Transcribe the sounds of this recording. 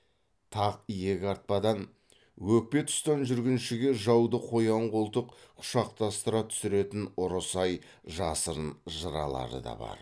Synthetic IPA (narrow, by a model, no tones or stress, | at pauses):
t̪ʰɑqije̞ɡʲɪɑɾt̪̚pɑd̪ɑn | wɵk̚pe̞t̪ʰʊ̥st̪ɑnʒʏɾɡʲɪnʃɪɡʲe̞ʒɑwd̪əqʰo̞jɑɴqʰolˠt̪əqqʰʊ̥ʃɑq̚t̪ɑst̪əɾɑt̪ʰʏ̥sɪɾe̞t̪ɪnʊɾəsɑj | ʒɑsəɾnʒəɾɑ̰lˠɑ̰ɾə̰d̪ɑ̰bɑ̰ɾ